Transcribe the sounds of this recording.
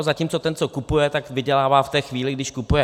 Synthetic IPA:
zaciːmt͡sot̪ɛnt͡sokupujɛt̪akvɪɟɛlaːvaːft̪ɛːxviːlɪɡdɪʃkupujɛ

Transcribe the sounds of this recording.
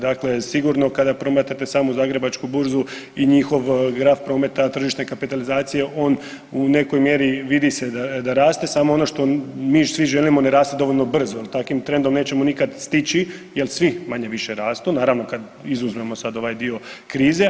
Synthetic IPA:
d̪aklesiɡuɾno̞kad̪apɾo̞met̪at̪e̞saːmuzaːɡɾebat͡ʃkubuɾzuiɲixo̞ʋɡɾaːfpɾo̞ːme̞t̪at̪r̩ʒiʃt̪nekapit̪alizaːt̪sije̞ʔo̞ːn | une̞ko̞jmje̞ɾiʋid̪ised̪ad̪aɾaːst̪e̞saːmoo̞no̞ʃt̪o̞miːsʋiʒelimo̞neɾaːst̪ed̪o̞ʋo̞ʎʲno̞br̩zoelt̪akʋimt̪ɾend̪o̞mne̞ːt͡ɕe̞monikad̪st̪it͡ɕijelˠsʋimaɲe̞ʋiʃe̞ɾaːst̪unaːɾaʋno̞kad̪ | izuzme̞mo̞sad̪o̞ʋajd̪io̞kɾiːze̞

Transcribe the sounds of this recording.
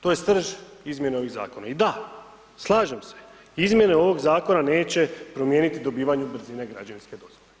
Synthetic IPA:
t̪o̞jest̪r̩ʒizmje̞neo̞ʋiɣza̰ːkona̰id̪a | slˠaːʒemse̞̥ | izmʲje̞neo̞ʋo̞ɡzaːko̞nane̞ːt͡ɕe̞pɾo̞mje̞ːnit̪id̪o̞biːʋaɲubr̩ziːneɡɾa̰d͡ʑaninske̞d̪o̞zʋoe

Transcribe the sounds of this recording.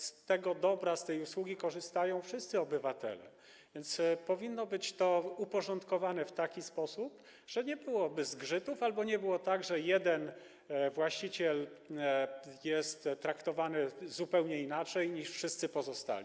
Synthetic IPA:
st̪ɛɡɔd̪ɔbɾast̪ɛjuswuɡʲikɔʐɘst̪ajɔ̃w̃fʂɘst̪sɘɔbɘvat̪ɛ̰lɛ̰ | vʲjɛnt̪spɔvʲinːɔbɘt͡ɕt̪ɔupɔʐɔnt̪kɔvanɛft̪akʲispɔsup | ʐ̥ɛɲɛbɘwɔbɘzɡʐɘt̪ufalbɔɲɛbɘwɔt̪aɡʐɛjɛd̪ɛn | vwaɕt͡ɕit͡ɕɛl | jɛst̪t̪ːɾakt̪ɔvanɘzupɛwɲɛinat͡ʂɛjɲiʂfʂɘst̪sɘpɔzɔst̪a̰lʲi

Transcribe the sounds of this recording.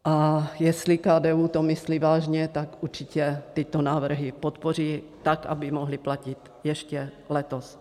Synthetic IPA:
ʔajɛslikaːdɛuːt̪omɪslivaːʒɲɛt̪akʔuɾt͡ʃicɛt̪ɪt̪onaːvr̩ɦipot̪poriː | t̪akʔa̰bɪmoɦlɪplacɪt̪ | jɛʃcɛ | lɛt̪os

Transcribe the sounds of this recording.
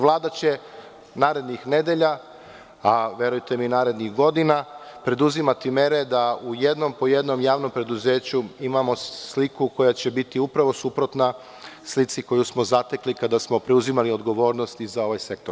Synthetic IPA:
ʋlˠaːd̪at͡ɕe̞ | naːɾe̞d̪nixne̞d̪e̞ʎa | aʋe̞ɾujt̪e̞minaːɾe̞d̪nixɡo̞d̪ina | pɾe̞d̪uzimat̪ime̞ɾe̞d̪auje̞d̪no̞mpo̞jed̪no̞mjaːʋno̞mpɾe̞d̪uze̞ːt͡ɕuimamo̞slikuko̞jat͡ɕe̞bit̪iupɾaʋo̞supɾo̞t̪na | slit̪siko̞jusmo̞zat̪e̞klikad̪asmo̞pɾe̞uzimalio̞d̪ɡo̞ʋo̞ːɾnost̪izao̞ʋajse̞k̚t̪oɾ

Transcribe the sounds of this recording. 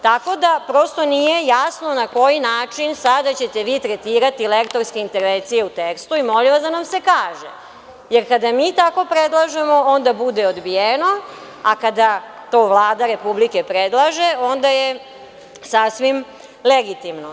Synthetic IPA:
t̪ako̞d̪apɾo̞st̪o̞nije̞jasno̞nako̞jinaːt͡ʂinsad̪at͡ɕe̞t̪e̞ʋiːt̪ɾet̪iːɾat̪ilekt̪o̞ɾske̞int̪e̞ɾʋent̪sije̞ut̪ekst̪uimo̞liʋasd̪anamsekaːʒḛ | je̞ɾkad̪amiːt̪ako̞pɾed̪lˠaʒe̞mo̞ond̪abud̪eod̪bijeno̞ | akad̪at̪o̞ːʋlˠaːd̪aɾe̞publike̞pɾed̪lˠaʒe̞o̞nd̪aje | sasʋim | leɡit̪imno

